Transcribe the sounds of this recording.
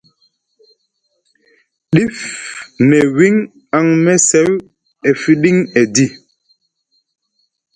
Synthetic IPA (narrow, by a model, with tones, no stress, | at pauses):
ɗi˦fnɛ˨wi˦ŋ | a˦˨ŋmɛ˦sɛ˨˦w | ɛ˨fi˦ɗi˦ŋɛ˨di˦˨